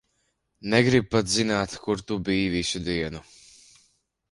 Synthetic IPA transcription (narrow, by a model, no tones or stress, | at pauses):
nɛɡɾib̚pat̪zinaːt̪kuɾt̪ubiːviʃud̪iɛnu